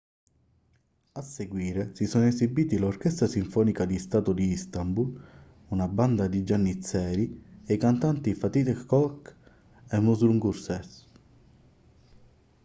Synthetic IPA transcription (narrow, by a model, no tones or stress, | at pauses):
asːeɡwiːɾesisɔnezibiːt̪ilork̟ɛst̪ɾasiɱfɔːnikad̪ist̪aːt̪od̪iist̪ambul | unaband̪ad̪id͡ʒanːit̪sːɛːɾiejkant̪ant̪ifat̪it̪kːɔk | emːuzɾuŋɡuɾsɛs